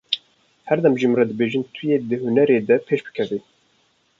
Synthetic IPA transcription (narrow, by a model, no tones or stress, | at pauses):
hɛɾd̪ɛmʒimrɑd̪ɨbeːʒɨnt̪ʰɨjeːd̪ɨhunɛɾeːd̪ɛpʰeːʃbɨ̥kʰɛveː